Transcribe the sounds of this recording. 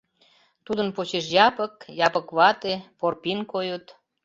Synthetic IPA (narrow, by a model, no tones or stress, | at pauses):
t̪ud̪ənpot͡ɕeʃ̬jɑpəkjɑpəkβɑt̪eporpinkojot̪